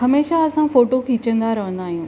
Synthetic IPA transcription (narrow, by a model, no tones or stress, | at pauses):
hɐmeːʃaɐsãfoːʈokʰiːt͡ɕə̃nd̪aɾɐɦə̃nd̪aːɦijũː